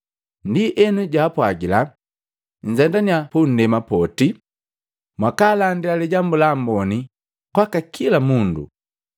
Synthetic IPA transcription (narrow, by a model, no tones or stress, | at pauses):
ndiʔɛnuɟaːpwaɡila | ɲ̩d͡ʒɛndaniapun̩dɛmapɔti | mwakaːlandilaliɟambulambɔni | kwakakʰilamundṵ